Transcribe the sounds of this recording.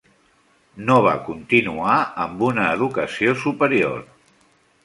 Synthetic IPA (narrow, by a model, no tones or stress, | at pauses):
noβ̞a̰kunt̪inuaəmbunəːðukəsiosupəɾio̰r